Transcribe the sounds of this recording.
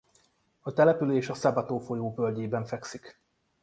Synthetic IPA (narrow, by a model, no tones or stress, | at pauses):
ɒt̪ɛlɛpyleːʃɒsɒbɒt̪oːfo̞joːbølɟeːbɛɱfɛksik